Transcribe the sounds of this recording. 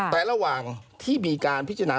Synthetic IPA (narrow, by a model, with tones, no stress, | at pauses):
t̪ɛː˨˩ɾa˧waː˨˩ŋt̪ʰiː˥˩miː˧kaː˧npʰi˦˥t͡ɕa˧naː˧